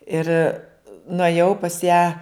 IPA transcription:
ˈɪr nʊeːˈjɛʊ pɐs jæː

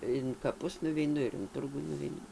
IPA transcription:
ɪn kɐˈpʊs nʊʋʲɛɪˈnʊ ɪn ˈtʊrɡuː nʊʋʲɛɪˈnʊ

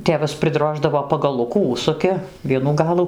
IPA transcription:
ˈtʲeːʋɐs pʲrʲɪˈdroːʒdɐʋoː pɐɡɐˈlˠʊkuː ˈʊʃsʊkʲɪ ˈʋʲiɛnuː ˈɡɑːlˠuː

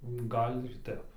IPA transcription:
ˈɡɐlʲ ɪr ˈtʲɛp

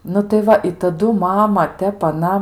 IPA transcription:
nʊ tɐɪ ˈʋɐ ɪ tɐˈdʊ ˈmɑːmɐ ˈtʲɛp ɐˈnɐ

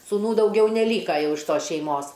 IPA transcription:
suːˈnuː dɐʊˈɡʲɛʊ nʲɛˈlʲiːkɐ ˈjɛʊ ɪʃ ˈtoːs ʃʲɛɪˈmoːs

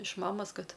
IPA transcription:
ɪʃ ˈmɑːmoːs ˈkɐt

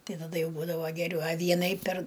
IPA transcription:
ˈtɐɪ tɐˈdɐ ˈjɛʊ ˈbuːdɐʋoː ɡʲɛˈrʲɛʊ ɐ ˈʋʲiɛnɐɪ pʲɛr

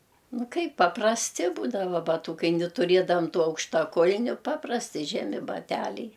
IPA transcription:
ˈnʊ ˈkɐɪp pɐprɐsʲˈtʲɪ ˈbuːdɐʋɐ bɐˈtuːkɐɪ nʲɪ tʊˈrʲeːdɐʋɐm ˈtuː ɐʊkʃtɐˈkʊlʲnʲʊ ˈpɑːprɐsʲtʲɪ ˈʒʲæːmʲɪ bɐˈtʲælʲɛɪ

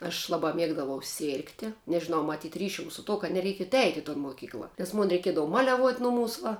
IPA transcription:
ɐʃ ˈlˠɑːbɑː ˈmʲiɛɡdɐʋɐʊ ˈsʲeːrktʲɪ nʲɛʒʲɪˈnɐʊ mɐˈtʲiːtʲ ˈrʲiːʃʲʊm sʊ ˈtuɔ kɐt nʲɛˈrʲɛɪkʲiɛt ˈɛɪtʲɪ ɪ toːn moːˈkʲiːklˠɐ ˈnʲɛs ˈmʊn rʲɛɪˈkʲiɛdɐʋɐ ˈmɑːlʲɛˌʋuɔtʲ ˈnʊˌmuːs ʋɐ

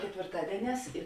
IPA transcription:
kʲɛtʲʋʲeːrˈtɑːdʲiɛˌnʲɛːs ɪ

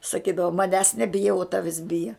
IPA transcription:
sɐˈkʲiːdɐʋoː mɐˈnʲæːs nʲɛˈbʲɪjɛ ʊ ˈtɑːʋʲɪs ˈbʲɪjɛ

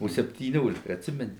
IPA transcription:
oː sʲɛpʲtʲiːˈnʲoːlʲɪkɐ ɐtʲˈsʲɪmʲɛnʲɪ

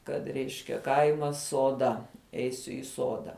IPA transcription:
ˈkɐt ˈrʲɛɪʃʲkʲɛ ˈkɐɪmɐs suɔˈdɐ ˈɛɪsʲʊ ɪ ˈsoːdɐ

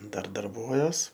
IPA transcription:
ˈdɐr dɐrˈbuɔjuɔs

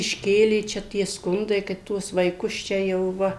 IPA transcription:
ɪʃʲˈkʲeːlʲeː ˈt͡ʃʲɛ tʲiɛ ˈskʊndɐɪ kɐt ˈtuɔs ʋɐɪˈkʊs ˈt͡ʃʲɛ jɛʊ ˈʋɐ

